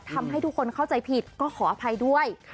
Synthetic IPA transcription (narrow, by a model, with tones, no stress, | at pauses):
t̪ʰa˧mɦa˥˩jt̪ʰu˦˥kʰːo˧nkʰa˥˩wt͡ɕa˧jpʰi˨˩t̪̚kɔː˥˩kʰɔː˩˦ʔaː˧pʰa˧jdu˥˩əj